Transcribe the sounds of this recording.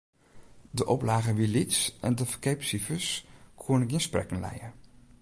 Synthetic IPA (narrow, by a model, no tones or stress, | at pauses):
dəʔɔplaːχəʋilitsʔɛ̰ndəfəkejpsifəskʰunkjənsprɛ̰kənlɛ̰jə